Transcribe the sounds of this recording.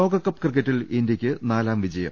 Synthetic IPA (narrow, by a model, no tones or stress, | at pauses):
o̞ːɡɐkːɐpːkrɨk̬ːɐtːilindjɐkʲːɨnaːlaːmʋid͡ʑɐjɐ̰m